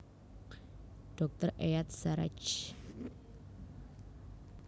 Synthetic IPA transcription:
ɖ̥ɔ̤k̚t̪ərʔejat̪̚saɾa̰t͡ʃ

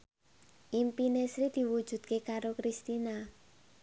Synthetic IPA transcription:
ʔimpinesɾid̪̥i̤wud̥ʒ̥ṳd̪̥̚kekaɾokɾist̪ina

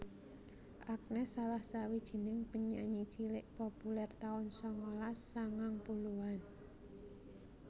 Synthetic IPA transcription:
ʔak̚nɛsːalahsawid̥ʒ̥i̤nɪŋpəɲa̰ʔɲi̥t͡ʃilɪʔpopulɛrt̪aʊnsɔŋɔlasːaŋaŋpuluan

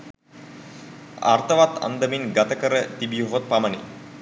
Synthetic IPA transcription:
a̰rt̪əʋat̪a̰nd̪əminɡat̪əkəɾət̪ibijoɦot̪̚pamənḛ

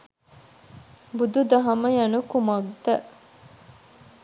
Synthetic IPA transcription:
bud̪ud̪ɐɦɐmɐjɐnukumɐɡd̪ɐ

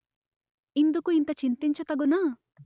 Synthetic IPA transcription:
ind̪ukuint̪ɐt͡ʃint̪iɲt͡ʃɐt̪ɐɡunɐ

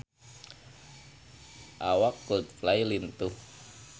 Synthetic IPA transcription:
ʔawakːut̪̚flailint̪uh

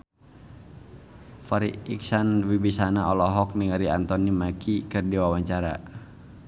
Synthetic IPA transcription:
faɾiiksanwibisanaɔlɔɦɔk̚niŋaɾiant̪ɔnimakʰikɨrdiwawaɲt͡ʃaɾa̰

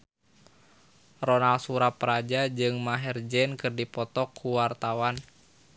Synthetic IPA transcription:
rɔnalsuɾapəɾad͡ʒad͡ʒɨŋmaɦɛrd͡ʒɛnkɨrdipɔt̪ɔkʰːuwart̪awan

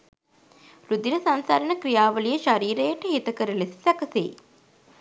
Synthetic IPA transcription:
lud̪iɾəsansaːɾənəkrijaːʋəlijəʃaɾiːɾəjəʈəɦit̪əkəɾəlesi̥sækəsḛː

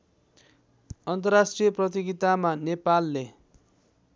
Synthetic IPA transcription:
ʌnt̪ʌrrasʈrijʌprʌt̪̬iɡit̪amanepalːe

